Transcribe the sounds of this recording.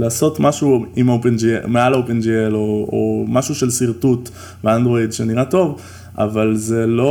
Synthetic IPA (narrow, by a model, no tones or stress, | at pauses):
laːso̞t̪maʃuimaopend͡ʒḭmealaopend͡ʒieloo̰maʃuʃelsiʁt̪ut̪ | beandʁo̞idʃe̞niʁato̞v | a̰valzelo̞